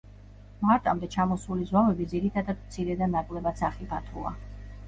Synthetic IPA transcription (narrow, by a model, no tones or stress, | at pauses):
maɾt̪ʼa̰md̪ɛt͡ʃʰamɔsulizwavɛbid̪ziɾit̪ʰad̪ad̪̚mt̪sʰiɾɛd̪anakʼlɛbat̪saχibʰat̪ʰua̰